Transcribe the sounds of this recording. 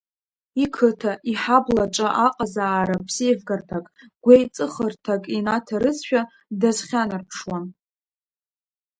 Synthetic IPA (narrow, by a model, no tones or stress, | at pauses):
ikʰɨtʰaʔiħablat͡ʃʼaʔaqʼazaːɾapʰsievɡartʰakʼɡ̥ʷejt͡sʼɨχərtʰakʼinatʰaɾɨzʃᶣa | dazχʲanɨrpʰʂwan